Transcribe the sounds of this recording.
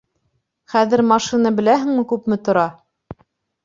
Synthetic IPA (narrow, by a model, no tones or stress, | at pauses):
χæðɘ̆ɾmɑʃinɑbɘ̆læɦɘ̆ŋmɘkʉpmɘt̪ŏɾɑ